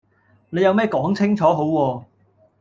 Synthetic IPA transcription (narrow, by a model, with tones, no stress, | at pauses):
ne˨˧jɐ˨˧wmɛː˥˩kɔː˨˥ŋt͡sʰɪ˥ŋt͡ʃʰɔː˨˥ɦo˨˥wwɔː˧